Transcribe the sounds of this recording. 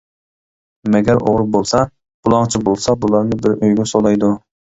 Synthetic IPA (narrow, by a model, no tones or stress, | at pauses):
mɛɡʲæɾʔo̰ʁɾɨbolˠsɑ | b̥ulˠɑŋt͡ʃʰibolˠsɑbulˠɑɾnɪbɪɾøjɡʲɛsolˠɑjd̪u